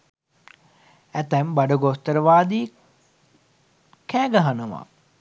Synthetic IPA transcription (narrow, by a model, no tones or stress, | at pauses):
æt̪ɛmbaɖəɡost̪əɾəʋaːd̪i | kɛːɡaɦanəʋa̰